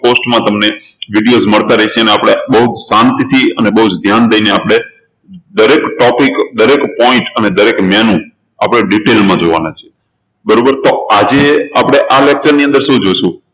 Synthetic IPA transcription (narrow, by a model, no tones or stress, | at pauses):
posʈmãt̪əmne | ʋiɖijozməɭt̪aɾəit͡ʃʰeəneapɽ̃ebəɦut̪sant̪it̪ʰiənebəɦud͡ʒd̪ʱjand̪əineapɽ̃e | d̪əɾekʈɔpikd̪əɾekpɔɪ̃ʈəned̪əɾekmɛnũ | a̰pɽ̃eɖiʈelmãd͡ʒoʋa̰nat͡ʃʰie | bəɾobəɾt̪oad͡ʒeapɽ̃eʔalek̚t͡ʃəɾniə̃nd̪əɾʃũd͡ʒoʃũ